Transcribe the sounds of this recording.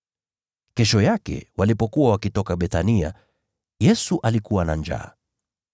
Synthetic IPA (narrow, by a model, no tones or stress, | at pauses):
kɛʃɔjakɛ̰walipɔkuwawakitɔkaɓɛθania̰ | jɛsuʔalikuwana̰ɲd͡ʒa̰ː